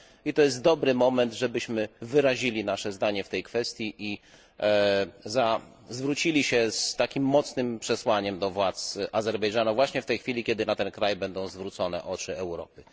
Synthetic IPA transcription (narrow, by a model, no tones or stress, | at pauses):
it̪ɔjɛs̬t̪̚d̪ɔbɾɘmɔmɛnd̪ʐɛbɘɕmɘvɘɾaʑilʲinaʂɛzd̪aɲɛft̪ɛjkfɛst̪ʲjiʔi | za | zvɾut͡ɕilʲiɕɛst̪akʲimːɔt̪snɘmpʂɛswaɲɛmd̪ɔvwat̪sʔazɛɾbɛjʐanuvwaɕɲɛft̪ɛjxfʲilʲikʲɛd̪ɘnat̪ɛnkɾajbɛnd̪ɔ̃w̃zvɾut̪sɔnɛ̰ʔɔt͡ʂɘɛwɾɔ̰pɘ